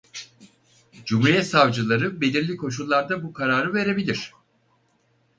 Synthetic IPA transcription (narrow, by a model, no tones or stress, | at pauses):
d͡ʒumuɾijɛt̪savd͡ʒɯlˠaɾɯbe̞lʲiɾlʲikʰo̞ʃ̬ulˠːaɾd̪abukʰaɾaːɾɯve̞ɾe̞bilʲiɾ̝̥